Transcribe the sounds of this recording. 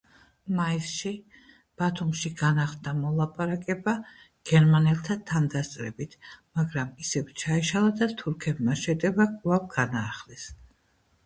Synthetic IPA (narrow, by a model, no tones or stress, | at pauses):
maisʃi | b̥at̪ʰumʃiɡanaχd̪amɔlˠapʼaɾakʼɛba | ɡ̥ɛɾmanɛlˠt̪ʰat̪ʰand̪ast̪ʼɾɛbit̪ʰmaɡɾamisɛvt͡ʃʰaiʃalˠad̪at̪ʰuɾkʰɛbmaʃɛd̪ɛbakʼlˠavɡanaːχlɛs